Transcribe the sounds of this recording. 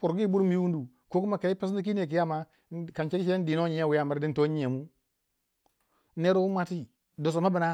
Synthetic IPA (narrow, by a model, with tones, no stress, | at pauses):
pu˨ɾɡi˦bu˦ɾmi˦wu˦du˨ | ko˦ku˦ma˨ka˨i˦pe˦sni˦k̬i˦ne˨k̬i˨ja˦˨ma˨ | ka˨nt͡ʃe˦i˦t͡ʃe˦n˦di˨n˦o˦ɲi˨˦a˦wi˨ja˦˨ma˦ɾdi˦n˦to˦ɲi˦e˨mu˦ | ne˦ɾo˦u˦ma˦ti˦ | do˨s̬o˨ma˦ba˨na˦